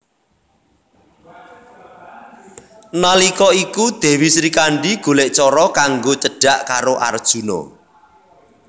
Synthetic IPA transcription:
nalikɔikud̪̥e̤wisɾikaɳɖiɡ̥o̤leʔt͡ʃɔɾɔkaŋɡot͡ʃəɖ̥a̤ʔkaɾoʔa̰rd̥ʒ̥ṳno̰

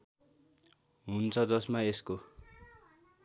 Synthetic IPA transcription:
ɦunt͡sʰʌd͡zʌsmaesko

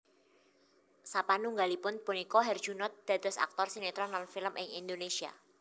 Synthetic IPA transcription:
sapanuŋɡalipʊnpunikɔɦɛrd̥ʒ̥unɔt̪̚d̪̥a̤d̪̥ɔ̤sa̰k̚t̪ɔrsinet̪ɾɔnanfɪləmʔɪŋḭnd̪onesia̰

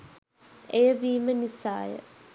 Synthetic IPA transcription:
ejəʋiːmənisa̰ːjə̰

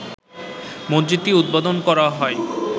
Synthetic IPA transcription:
mond͡ʑit̪ːiud̪̚bad̪onkɔɾaɦɔe

